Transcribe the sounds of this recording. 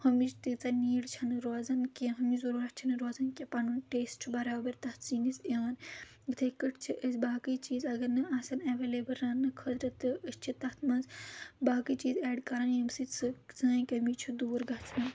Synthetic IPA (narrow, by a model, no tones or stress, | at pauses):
hɐmit͡ʃt̪ɨt͡sɐniːɽt͡ʃʰɐnɨɾoːzɐnkeɦɐmizuɾuːɾɐt̪̚t͡ʃʰinɨɾoːzɐnkʲepɐnunʈeːsʈʰubɐɾaːwbɐɾt̪ɐt̪ʰt͡siːnisjaːn | ɡɨt̪ʰɐkəʈʰt͡ʃʰiʔəsbaːkɨt͡ʃiːzɐɡɐɾnɨaːsɐneʋeːleːbɐɾːaːnːɨkʰət̪ɾɐt̪ɨʔəst͡ʃʰit̪ɐt̪ʰmɐnzbaːkɨt͡ʃiːzɛːɖkɐɾanjɐmsɨt͡sɨt͡sɐːkʲɐmit͡ʃʰud̪uːɾɡɐt͡sʰnɐ